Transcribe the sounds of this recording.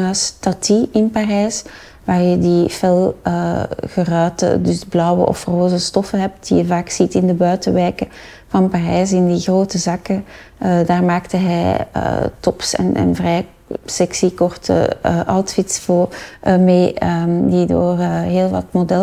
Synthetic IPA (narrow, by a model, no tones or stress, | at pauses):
astɑtiɪnparɛs | ʋaːrjədifɛlˠəɣərœːtə̰dʏsblɑwə̰ʔɔ̰froːzəstɔfəɦɛp̚t̚d̥ḭjəvaːksitɪndəbœːtəʋɛːkə | vɑnparɛːsɪndiɣroːtəzɑkə | ədaːrmaːktəɦɛjə̰tɔpsɛ̰nɛ̰nvrɛj | sɛksikɔrtə̰ʔɑltfɪtsvoːrʔəmeːdido̰ːrɦeːlˠʋɑ̰tmodɛ